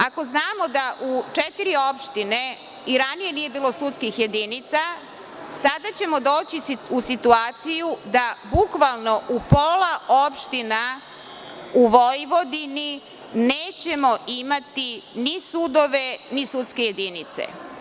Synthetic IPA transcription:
ako̞znaːmo̞d̪aʔut͡ʃet̪iɾio̞pʃt̪ine̞ | iɾanije̞nije̞biːlˠo̞sut̪skixje̞d̪init̪sa | sad̪at͡ɕe̞mo̞d̪o̞ːt͡ɕiusit̪uaːt̪sijud̪abukʋalˠno̞ʔupoːlˠaopʃt̪ina | uʋojʋo̞d̪ini | neːt͡ɕe̞mo̞ʔimat̪inisud̪o̞ʋe̞nisut̪ske̞je̞d̪init̪sḛ

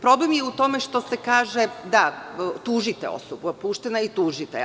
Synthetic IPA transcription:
pɾo̞blemjeut̪o̞meʃt̪o̞sekaːʒed̪at̪uːʒit̪ɛo̰sobupuːʃt̪enait̪uːʒit̪e

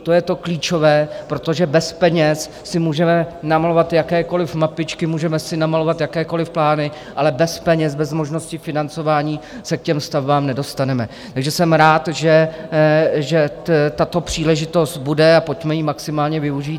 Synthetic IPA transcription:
t̪o̞jɛt̪o̞kliːt͡ʃo̞vɛːpɾot̪o̞ʒɛbɛspɛɲɛs | sɪmuːʒɛmɛnamalo̞vat̪jakɛːko̞lɪfmapɪt͡ʃkɪmuːʒɛmɛsɪnamalo̞vat̪jakɛːko̞lɪfplaːnɪ | ʔalɛbɛspɛɲɛzbɛzmo̞ʒno̞scɪfɪnant͡so̞vaːɲiːsɛkcɛmst̪avbaːmnɛdo̞st̪anɛmɛ | t̪aɡʒɛsɛmɾaːt̪ʒɛ | ʒɛ | t̪at̪o̞pr̝̥iːlɛʒɪt̪o̞st̪̚budɛapo̞cmɛjimaksɪmaːlɲɛvɪuʒiːt̪

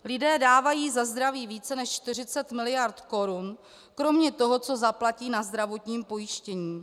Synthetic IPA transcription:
lɪdɛːdaːvajiːzazd̪ɾaviːviːt͡sɛnɛʃt͡ʃt̪ɪr̝ɪt͡sɛt̪mɪlɪjaɾt̪ko̞ɾun | kɾo̞mɲɛt̪o̞ɦo̞t͡so̞zaplaciːnazd̪ɾavo̞t̪ɲiːmpo̞jɪʃcɛɲiː

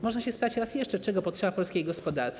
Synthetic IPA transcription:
mɔʐnaɕɛspɘ̥t̪at͡ɕɾasjɛʂt͡ʂɛt͡ʂɛɡɔpɔt̪ʂɛbapɔlskʲejɡɔspɔd̪aɾt̪s

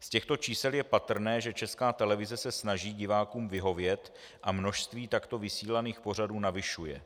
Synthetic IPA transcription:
scɛxt̪o̞t͡ʃiːsɛljɛpat̪r̩nɛːʒɛt͡ʃɛskaːt̪ɛlɛvɪzɛsɛsnaʒiːɟɪvaːkuːmvɪɦo̞vjɛt̪ | ʔamno̞ʃst̪viːt̪akt̪o̞vɪsiːlaniːxpo̞r̝aduːnavɪʃujɛ̰

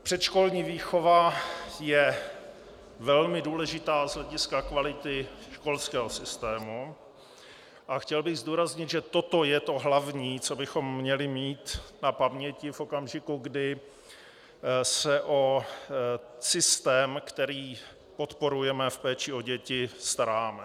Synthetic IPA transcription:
pr̥ɛt̪ʃko̞lɲiːviːxo̞vajɛ | vɛlmɪduːlɛʒɪt̪aːzɦlɛɟɪskakvalɪt̪ɪʃko̞lskɛːɦo̞sɪst̪ɛːmu | ʔaxcɛlbɪɣzd̪uːɾazɲɪd̪ʒɛt̪o̞t̪o̞jɛt̪o̞ɦlavɲiːt͡so̞bɪxo̞mːɲɛlɪmiːt̪napamɲɛcɪfʔo̞kamʒɪkuɡdɪ | sɛʔo̞ | sɪst̪ɛːmkt̪ɛɾiː | po̞t̪po̞ɾujɛmɛfpɛːt͡ʃɪo̞ɟɛcɪst̪aɾaːmɛ

